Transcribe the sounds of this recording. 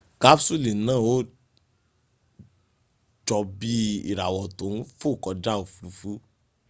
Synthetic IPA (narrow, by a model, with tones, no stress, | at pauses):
ka˦bsu˦˨lĩ˨˦nãː˦˨o˦ | d͡ʒɔ˧bi˦ḭ˦˨ɾa˨wɔ˨tõ˨˦n̩˦fo˦˨kɔ˧d͡ʒa˦o˨fu˨˦fu˦